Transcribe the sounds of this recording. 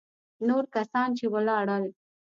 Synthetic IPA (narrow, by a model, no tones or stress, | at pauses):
noɾkasɑːnt͡ʃewalɑɽəl